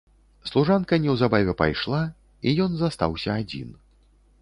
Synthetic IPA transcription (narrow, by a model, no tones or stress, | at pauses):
slˠuʐankɐnʲɛwzabavʲɛpa̰jʂlˠa | ijɔnzast̪a̰wsʲɐːd͡zʲḭn